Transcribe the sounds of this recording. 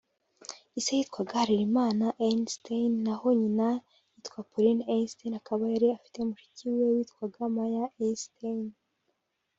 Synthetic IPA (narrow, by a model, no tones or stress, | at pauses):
isejitkwaɡahaɾiɾimaːnaʔenstenːaho̞ɲina | jitkwapuɾinenstenakaβajaɾiafi̥te̞umuʃi̥ciwe̞wiːtkwaɡamajaensten